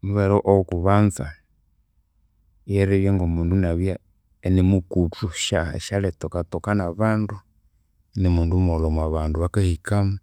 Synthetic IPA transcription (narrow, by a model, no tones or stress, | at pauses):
muβɛɾɔʔɔkuβanza̰ | jɛɾɛβjɛŋɡɔmundunaβja | ɛnɛmukutuʃa̰ʃalɛtɔkatɔkanaβandu | ɛnɛmundumɔlɔmaβanduβakahikama